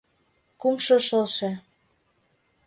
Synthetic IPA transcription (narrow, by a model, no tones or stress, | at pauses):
kumʃɤ̆ʃɤ̆lʃĕ